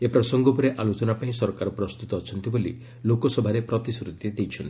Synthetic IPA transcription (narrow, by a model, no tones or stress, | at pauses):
epɾɔsɔŋɡɔpɔɾeʔalot͡ʃɔnapaĩsɔɾkaɾɔpɾɔst̪ut̪ɔːt͡ʃʰɔnt̪ibolḭ | lokɔsɔbʱaɾepɾɔt̪isɾud̪ʱed̪ejt͡ʃʰɔnt̪